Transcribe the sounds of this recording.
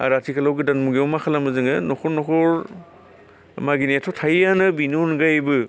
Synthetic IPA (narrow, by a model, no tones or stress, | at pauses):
a̰ɾatʰikʰalawɡidanmuɡiawmakʰalamɯzɯŋɯnɔkʰɔɾnɔkʰɔɾ | maɡinetʰɔtʰajanɯbinunɡajbɯ